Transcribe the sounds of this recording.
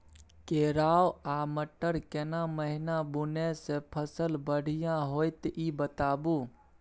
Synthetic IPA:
keɾawaməʈːəɾkenaməɦinabunesepʰəsəlbəɽ̤ijãɦojt̪ibət̪abu

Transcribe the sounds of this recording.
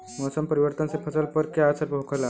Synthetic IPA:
mɔsəmpəɾiʋəɾt̪ənsepʰəsəlpəɾkjaːsəɾbʱokʰəla

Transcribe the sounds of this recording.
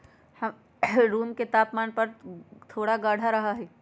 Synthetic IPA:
hɐ | ɾuːmket̪aːpmaːnpɐɾt̪ʰoːɽaɡaːɽ̤ʱaɾɐɦaɦɛː

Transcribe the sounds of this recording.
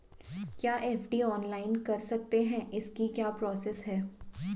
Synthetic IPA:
kjaːʔeːfʰɖiɔːnlaːɪnkɐɾsɐk̚t̪eɦɛ̃ɪskikjaːpɾɔːsɛsɦɛː

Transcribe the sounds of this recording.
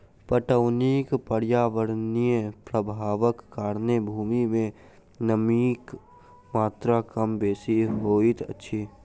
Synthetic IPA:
pəʈəʊnikpəɽjaːʋəɾnijẽpɾəbʱaːʋəkːaːɾnəbʱuːmimẽ | nəmiːk | maːt̪ɾakəmbeːsiɦoːit̪ə̰tːʃʰi

